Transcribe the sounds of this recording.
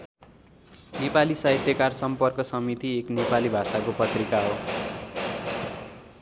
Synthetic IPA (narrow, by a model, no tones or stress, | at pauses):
nepalisʌɦit̪jʌkarsʌmpʌrkʌsʌmit̪ieknepalibʱasakopʌt̪rikaɦo